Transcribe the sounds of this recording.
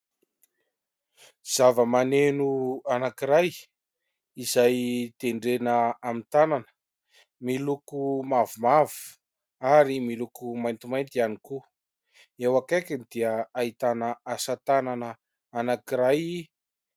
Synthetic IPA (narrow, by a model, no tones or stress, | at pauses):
z̥avəmanenuanakiɾaj | izajt̪eɳɖ͡ʐenəamint̪ananə̥ | milukumavumavu̥ | aɾimilukumajnt̪imajnt̪ianiku | ewakakinid̪iəaɦit̪anəasat̪ananə | anakiɾaji